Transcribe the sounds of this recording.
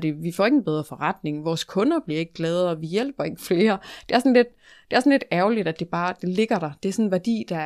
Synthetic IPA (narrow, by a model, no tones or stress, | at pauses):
d̥e̝ʋifɒ̰ːe̝ɡn̩b̥eð̞ˠʁɐfɒʁɑd̥ne̝ŋʋɒːskʰɔ̽nɐb̥liɐe̝ɡ̥əɡ̥lɛːð̞̩ˠɒ̽ʋijel̰b̥ɐe̝ɡ̥əfle̝ːɐd̥e̝æɐsɔ̽nle̝d̥̚ | d̥e̝æɐsɒ̽n̩led̥æɐʊlid̥æd̥e̝b̥ɑ̈ːd̥e̝le̝ɡ̥ɐɾ̥ɑ̈d̥e̝æsɔ̽nnʋæɐd̥ḭːd̥ɑ̈